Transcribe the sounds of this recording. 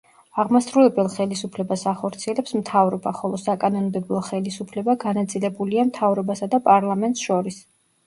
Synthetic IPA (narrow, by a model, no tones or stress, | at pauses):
aʁmasɾuɛbɛlˠχɛlisupʰlɛbasaχɔɾt̪sʰiɛlɛpsmt̪ʰavɾɔbaχɔlˠɔsakʼanɔnbɛbˠɔχɛlisupʰlɛbaɡanat̪sʼilɛbuliamt̪ʰavɾɔbasad̪apʼaɾlˠamɛnt̪ʼsʃɔɾis